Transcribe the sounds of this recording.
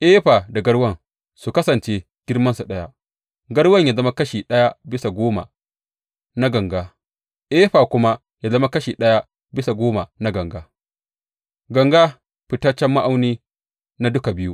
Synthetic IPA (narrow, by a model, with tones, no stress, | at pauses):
ʔeː˦ɸa˨da˨ɡɐ˦ɽwɐ˦˨ŋ | su˨kɐ˦sɐ˨nt͡ʃe˦ | ɡ̥ʲɪ˦rmɐ˦nsu˨ɗɐ˦ja˦ | ɡɐ˦ɽwɐ˦˨ɲja˨zɐ˦ma˦kɐ˦ʃiː˨ɗɐ˦ja˦bɪ˦sa˨ɡʷoː˦ma̰˨ | na˦ɡɐ˨ŋɡaː˦ | ʔeː˦ɸa˨kʷʊ˦ma˦ | ja˦zɐ˦ma˦kɐ˦ʃiː˨ɗɐ˦ja˦ | bɪ˦sa˨ɡoː˦ma˨na˦ɡɐ˨ŋɡaː˦ | ɡɐ˨ŋɡa˦ | ɸɪ˨tɐ˦t͡ʃːɛ˦mːa˦ʔa˦wniː˦ | na˦dʊ˦ka˨bɪ˦ju˦ʔ